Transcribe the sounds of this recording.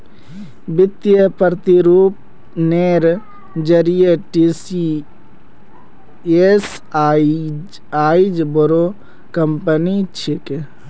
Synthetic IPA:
bɪt̪jəpɾt̪iɾuːp̚ | neːɾ | d͡ʒəɾijeʈisi | es | aːid͡ʒboɾo | kəmpənit͡ʃʰɪke

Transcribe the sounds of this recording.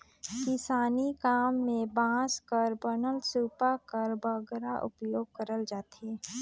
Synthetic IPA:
kɪsaːnikaːmːẽbãːskəɾbənəlsuːpakəɾbəɡɾaʔʊ̰pjoːɡ̚kəɾəld͡ʒaːt̪eː

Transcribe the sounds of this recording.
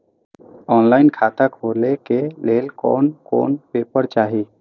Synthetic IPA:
ɔnlaɪnkʰat̪akʰolekelelkɔ̰nko̰npepəɾt͡ʃaɦi

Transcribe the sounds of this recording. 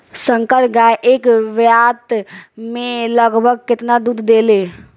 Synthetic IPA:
sə̃ŋkəɾʈɡaːeʔeːkʋjaːt̪mẽləɡbʱəɡ̚kɪt̪nad̪uːd̪ʱːeːleː

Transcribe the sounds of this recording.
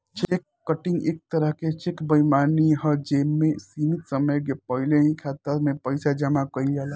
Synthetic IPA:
t͡ʃekːəʈɪ̃ŋɡḛːk̚t̪ɐɾəɦket͡ʃekbəimaːniɦəd͡ʒeːmːẽsiːmɪt̪səməjkepəɦɪleĩkʰaːt̪əɾmẽpɐɪsad͡ʒɐmakɐid͡ʒaːla

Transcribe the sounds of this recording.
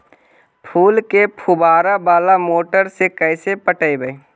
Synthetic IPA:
pʰuːlkepʰubaːɾabaːlamoːʈəɾsekəɪsepəʈəibəi

